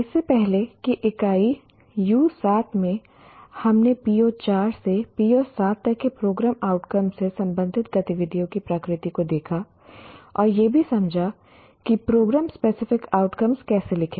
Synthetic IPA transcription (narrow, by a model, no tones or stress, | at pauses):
ɪsːepɛɦlekiʔɪkaːi | juːsaːt̪ʰmẽ | hɐmnepiːot͡ʃaːɾsepiːosaːt̪ːɐkːepɾoːɡɾaːmaːʊʈkɐmsesɐ̃mbə̃nd̪ʱɪt̪̚ɡɐt̪ɪʋɪd̪ʱijõkipɾɐkɾɪt̪ikod̪eːkʰa | ɔːɾjebʱisɐmd͡ʒʱa | kipɾoːɡɾaːmspeːsɪfɪkaːʊʈkəmskɛːselɪkʰẽː